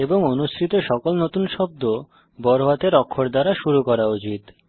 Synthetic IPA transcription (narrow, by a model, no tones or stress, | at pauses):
eboŋonuʃɾit̪oʃɔkolnot̪unʃɔb̚d̪o | bɔɾoat̪eɾɔkʰːoɾd̪aɾaʃuɾukɔɾaut͡ɕit̪